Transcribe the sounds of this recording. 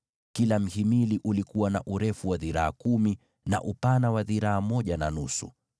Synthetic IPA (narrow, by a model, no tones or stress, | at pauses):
kilam̩himiliʔulikuwanaʔuɾɛfuwaðiɾaakumi | na̰ʔupanawaðiɾaamɔʄananusṵ